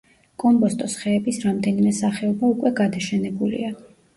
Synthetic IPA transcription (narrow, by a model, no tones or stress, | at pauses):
kʼɔmbɔst̪ʼɔsχɛːbisɾamd̪ɛnimɛsaχɛɔbaukʼwɛɡad̪aʃɛnɛbulḭa